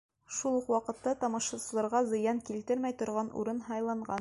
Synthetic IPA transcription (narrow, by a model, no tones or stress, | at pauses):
ʃulˠuqwɑqɤ̆t̪ːɑt̪ɑmɑʃɑsɤ̆lˠɑɾʁɑzɤ̆jɑŋkilt̪ɘɾmæjt̪ŏɾʁɑnʔṵɾɤnhɑjlˠɑɴɢɑn